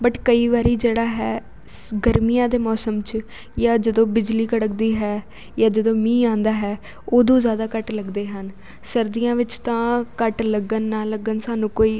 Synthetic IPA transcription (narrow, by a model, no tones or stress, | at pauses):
bəʈkəiːʋaːɾiːd͡ʒeːɽaːɦɛː | ɡəɾmijãːd̪eːmɔːsəmt͡ʃ | jaːd͡ʒəd̪õːbɪd͡ʒliːkəɽək̚d̪iːɦɛː | jaːd͡ʒəd̪õːmĩːãːnd̪aːɦɛː | oːd̪õːzjaːd̪aːkəʈləɡd̪eːɦən | səɾd̪ijãːʋɪt͡ʃt̪ãːkəʈləɡənːaːləɡənsaːnũːkoːiː